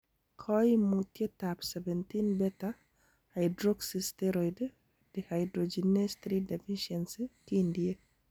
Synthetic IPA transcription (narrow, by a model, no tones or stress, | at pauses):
kʰɔjmutjetapsɛvɛnt̪inbɛta | hajdɾoɡsisteɾojd | d̥ehajdɾod͡ʒinest̪ɾidefiʃenskindie